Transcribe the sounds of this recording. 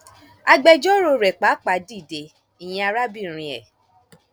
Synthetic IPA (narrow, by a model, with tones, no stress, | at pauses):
a˧ɡ͡bɛ˧d͡ʒɔ˦ɾo˧ɾɛ˨k͡pa˨˦k͡pa˨˦di˦˨de˧ | i˨j̃ɛ̃˧a˧ɾa˦bi˦˨ɾ̃ĩ˧ɛ̰˨